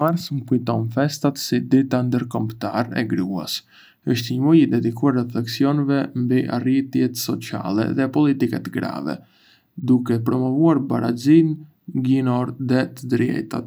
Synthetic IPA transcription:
maɾsməkujt̪ɔnfɛst̪at̪sid̪it̪and̪əɾkɔmpt̪aɾɛ̰ɡɾua̰s | əʃt̪ɲmujid̪ɛd̪ikuarːɛflɛksiɔnɛvɛmbiʔa̰rit̪jɛt̪sɔt͡sia̰lɛ̰ðɛpɔlit̪ikɛt̪ɡɾa̰vɛ̰ | d̪ukɛpɾɔmɔvuaɾbaɾa̰zin | ɡinɔɾðɛt̪əd̪əɾjɛ̰t̪a̰t̪

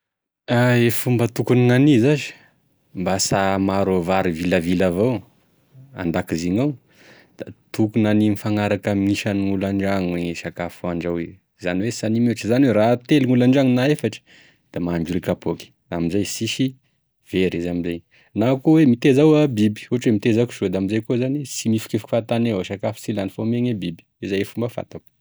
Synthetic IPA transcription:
aefumbət̪ukuniŋanizazi̥ | mbasamaɾovaɾiviləvilavaw | a̰nd̪akiziɲaw | d̪̥at̪ukunaninifaŋaɾakamiŋiʃaniŋulaɳɖ͡ʐaŋweʃakafuaɳɖ͡ʐawe | zaniwesanimeʈ͡ʂəzaniweɾat̪eliŋulaɳɖ͡ʐaŋinaefaʈ͡ʂə̥ | d̪̥amaɳd͡ʒuɾikapʰoki̥ | amizajsiʃi | v̥eɾizamizaj | nakuwemit̪ezawabibi̥uɦaʈ͡ʂwemit̪ezaki̥ʃod̪aamizajkozanisimifi̥kefu̥kfat̪anewaʃakafi̥t͡silanifomeɲebibi̥izajefumbəfa̰t̪aku̥

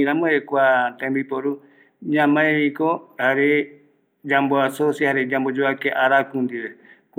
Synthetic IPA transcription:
ɾãmõekʷat̪ãmbipoɾu | ɲãmãeβikohaɾe | d͡ʒamboasosjihaɾed͡ʒambod͡ʒoakeʔaɾakũnd̪iβek

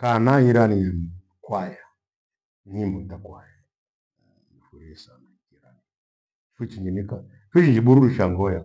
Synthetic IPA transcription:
kanaiɾani | kwaja | nimudakwaja | ifuɾisamakiɾani | fut͡ʃind͡ʒinika | fut͡ʃind͡ʒiɓuɾuɗuʃaŋɡɔja

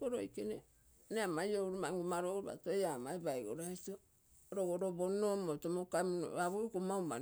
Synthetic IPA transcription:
oɾo̰ikene | neamajowɾumaŋɡumaɾoɾuβa̰tojamaibajɡo̰ɾaito | ɾoɡoɾobonːomotomokamno̰βaβukumauma̰

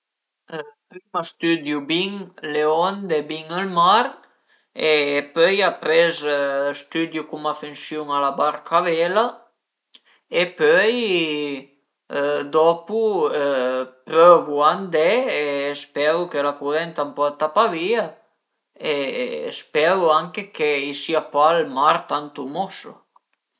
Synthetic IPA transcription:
pɾimast̪yd̪jubiŋleɔnd̪ebiŋəlmaɾ | epœjapɾɛzst̪yd̪jukumafensjuŋalabaɾkʰavɛla | epœj | d̪ɔpuøpɾøvuand̪ɛespɛɾukelakuðɛnt̪ampɔt̪apavia | espɛɾuaŋkekeisiapalmaɾt̪ant̪umɔsṵ

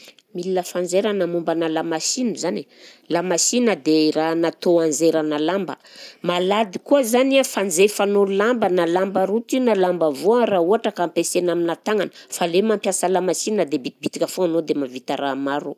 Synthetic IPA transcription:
milinəfand͡zeɾanəmumbanəlamasinəzane | lamasinəd̪eranat̪oand͡zeɾanalambə̰malad̪ikuəzaniafand͡zefanolambənalambəɾut̪inalambəvoərauaʈ͡ʂəkampesenaminat̪aŋanə̥falemampjasəlamasinəd̪ebit̪ibit̪ikʲafoanod̪emavit̪aɾamaɾu

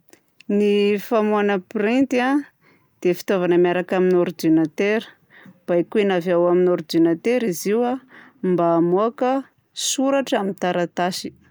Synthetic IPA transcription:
nifamuanəpɾint̪a | d̪̥efi̥t̪ovanəmaɾakaminoɾd̪inat̪eɾə̥ | b̥ajkuenavawaminoɾid̪inat̪eɾiziwa | mbaːmuakə | suɾaʈ͡ʂamint̪aɾat̪aʃi̥

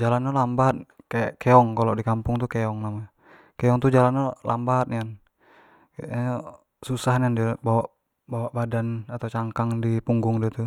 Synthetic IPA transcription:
d͡ʒalanalambat̪̚kajaʔkɛɔŋkalɔdikampʊŋt̪ukɛɔŋnama | kɛɔŋt̪ud͡ʒalanala̰mbat̪̚nian | kao | susaɦniandiabawaʔ | bawaʔbadanat̪awt͡ʃaŋkaŋdipuŋɡʊŋdiat̪u

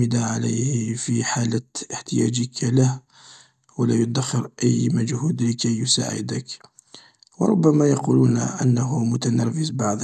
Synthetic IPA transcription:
əd̪aʕaləjhfiħaləəħt̪əjæ̰d͡ʒəkalah | wəlæjʊd̪axːəɾʔæjːmæd͡ʒhuːd̪ləkæjːʊsa̰ʕɪ̰d̪ək | wə̰ɾˤʊ̰bːæmajɑqulunʔə̰nːaɦumʊt̪anæfəzbɑʕd̪ˤ

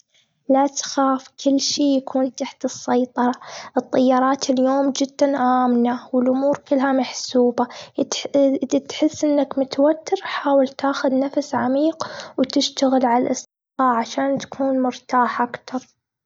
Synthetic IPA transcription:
lat̪xaːfkʰɪlːʃeːjakʰuːnt̪aħt̪ɨsːɑjt̪ˤɑɾˤɑʔɨt̪ˤːɑjːɑːɾˤɑːt̪ʰɪljoːmd͡ʒɪd̪̥ːanʔaːmnawɪlʔʊmuːɾkɪlːɦamaħsuːba | t̪ħɪsːʔɪnːakmʊt̪awat̪ːɪɾħaːwɪlt̪aːxʊðnafsʕamiːqwt̪ɪʃt̪aɣɪlʕalalʔɑsˤd̪ɪqɑːʕaʃaːnt̪ḁkʰuːnmʊɾt̪aːħʔakt̪ɑɾˤ

